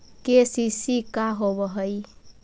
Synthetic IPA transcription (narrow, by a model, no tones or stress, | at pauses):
kesisikaɦobəɦəj